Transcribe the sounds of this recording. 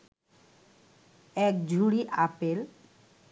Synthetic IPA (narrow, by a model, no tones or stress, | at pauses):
ɛk̚d͡ʑʱuɽiʔapel